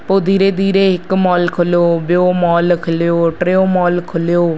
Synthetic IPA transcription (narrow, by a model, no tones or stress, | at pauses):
poːd̪iːɾeːd̪iːɾeːɦɪkmɔːlkʰʊloːboːmɔːlkʰəljoːʈɾeːoːmɔːlkʰʊljoː